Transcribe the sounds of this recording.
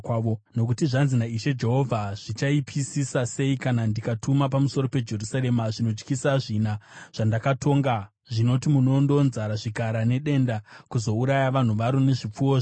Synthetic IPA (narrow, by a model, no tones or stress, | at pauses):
ono̞k̬utiʐanzinaiʃe̞d͡ʒe̞ɦo̞vʱaʐ̥it͡ʃaipʰisisase̞ikanandikatumapamuso̞ɾope̞d͡ʒe̞rusaɾe̞maʐino̞d͡ʒkisaʐinaʐ̥andakatʰo̞ŋɡa | ʐino̞timuno̞ndo̞nzaɾaʐikaɾane̞ɗe̞ndakuzo̞uɾajaʋan̤uʋaɾone̞ʐip͡fuwoʐ